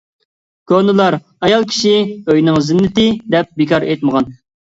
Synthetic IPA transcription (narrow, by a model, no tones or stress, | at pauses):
kʰonɨlˠɑɾ | ɑjɑlˠkʲʰi̥ʃiøjnɪŋzɪnːɪt̪ɪd̪ɛp̚bikʰɑɾet̪məʁɑn